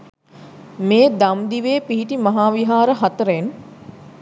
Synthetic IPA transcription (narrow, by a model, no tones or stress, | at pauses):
meːd̪amd̪iʋeːpiɦiʈimɐɦaːʋiɦaːɾəɦat̪əɾen